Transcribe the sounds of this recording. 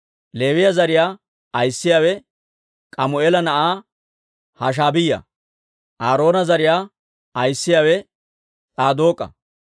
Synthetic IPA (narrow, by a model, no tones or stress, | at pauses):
le̞ːwɪjɐzɐɾɪjaː | ɐjsːɪjaːwɛ | kʼɐmʊeːlɐnɐʔaː | hɐʃ̬aːbɪjːɐ̰ | ʔaːɾo̞ːnɐzɐɾɪjaː | ɐjsːɪjaːwɛ | t͡sʼaːd̪o̞ːkʼːɐ̰